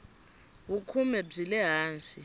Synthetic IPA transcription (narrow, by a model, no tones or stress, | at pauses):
wukʰumɛb͡ʐzilɛɦaːnt͡sʼi